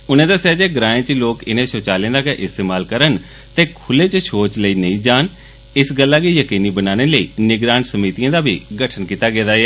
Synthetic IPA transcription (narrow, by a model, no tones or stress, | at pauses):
ʊnẽːd̪əsjaːd͡ʒeːɡɾaːẽːt͡ʃloːkɪnẽːsoːt͡ʃaːlẽːd̪aːkeʔɪst̪eːmaːlkəɾən | t̪eːkʰʊleːt͡ʃʃʰoːt͡ʃləiːnəĩːd͡ʒaːn | ɪsɡəlːaːkiːjəkiːniːbənaːneːləḭːnɪɡɾaːnsəmiːt̪ijãːd̪aːbḭːɡəʈʰənkiːt̪aːɡeːd̪aːɛː